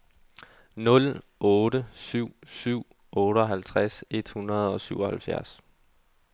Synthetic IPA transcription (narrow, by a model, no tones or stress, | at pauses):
nɔ̽l | ɔːɾəsyʊ̰syʊ̰ | ʔɔ̽ːɾ̥əɒ̽ɦælt͡sʰʁase̝d̥hunɐð̞̩ˠɒ̽syʊ̰ɒ̽hælfjæɐs